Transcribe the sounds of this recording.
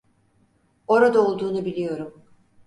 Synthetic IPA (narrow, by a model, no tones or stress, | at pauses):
o̞ɾad̪aolˠd̪uːnubilʲijo̞ɾum